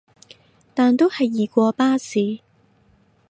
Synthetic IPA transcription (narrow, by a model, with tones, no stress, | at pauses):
t̪aː˨nt̪o˥whɐ˨jːiː˨˩kʷɔː˧paː˥siː˨˧